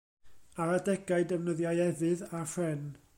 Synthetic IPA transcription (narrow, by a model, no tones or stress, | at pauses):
aɾadɛɡaɨdəvnəðjajɛvɨðar̥ɛn